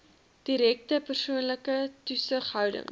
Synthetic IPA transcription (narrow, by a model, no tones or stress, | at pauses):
d̥iɾɛk̚təpərsuənləkətusəχɦœwdə̰ŋ